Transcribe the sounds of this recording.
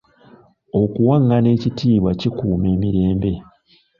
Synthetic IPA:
o̞kuwaŋɡane̞ːcitiːβwacikuːme̞ːmiɾe̞ːmbe̞

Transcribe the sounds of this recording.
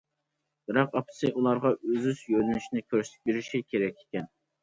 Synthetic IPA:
bɪɾɑqɑpʰsɨʔulˠɑɾʁɑøzyzjølynyʃinɪkʲʰøɾsɪ̥t̪ɪ̥k̚ʲbeɾiʃikʲʰeɾɛkʲʰe̥kʲɛn

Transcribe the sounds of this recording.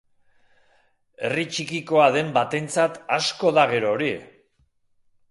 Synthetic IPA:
e̞rit͡ʃikiko̞aðe̞mbat̪e̞nt͡sat̪asko̞ðaɣ̞e̞ɾo̞ːɾi

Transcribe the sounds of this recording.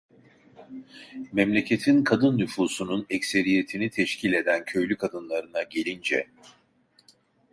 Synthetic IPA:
mɛmlʲe̞cʰe̞t̪ʰinkʰad̪ɯnːyfuːsununɛcse̞ɾije̞t̪ʰinit̪ʰɛʃcʰiːlʲe̞d̪æncʰø̞jlʲykʰad̪ɯnlˠaɾɯnaɟelʲind͡ʒɛ̰

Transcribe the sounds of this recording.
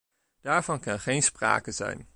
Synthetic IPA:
d̥aːɹvɑnkɑnχejnspra̰ːkəzɛ̰jn

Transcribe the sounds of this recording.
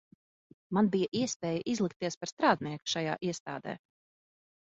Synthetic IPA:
manbijaʔiɛspʲɛːjəʔizlˠik̚t̪ːiɛspaɾst̪ɾaːd̪niɛku̥ʃaja̰ːʔiɛst̪a̰ːd̪ɛ̰ː

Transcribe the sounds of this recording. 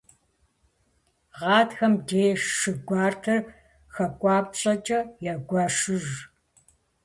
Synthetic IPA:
ʁɑːtxɐmdeːʂɨɡʷɑːrtʰɐr | xɐkʷʼɑːpɕʼɐt͡ʃʼɐjɛɡʷɑːʂɨʒ

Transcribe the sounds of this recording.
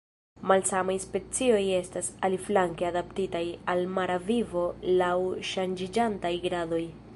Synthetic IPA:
malsamajspe̞t͡sio̞je̞stasaliflaŋke̞adaptitajalmaɾavivo̞lawʃand͡ʒid͡ʒantajɡɾado̞j

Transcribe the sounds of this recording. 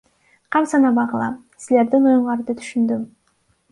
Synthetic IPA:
qʰɑmsɑnɑbɑʁɯlˠɑ̰ | sile̞ɾd̪inujuɴlˠɑɾd̪ɯt̪ʰy̥ʃynd̪ym

